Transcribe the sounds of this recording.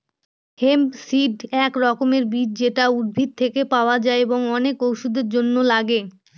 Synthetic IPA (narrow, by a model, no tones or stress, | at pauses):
hemsiɖɛkɾɔkomeɾbiɾ̚d͡ʑeʈauɾbʱit̪̚t̪ʰekepaoad͡ʑaeeboŋɔnekowʃud̪eɾd͡ʑonːolaɡe